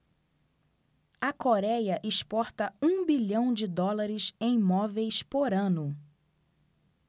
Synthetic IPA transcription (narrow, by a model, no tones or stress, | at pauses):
ɐkoɾɛjɐʔɪʃpɔɾt̪ɐũbiʎɐ̃w̃d͡ʒɪd̪ɔlaɾɪsẽj̃mɔvejspoɾɐ̃nʊ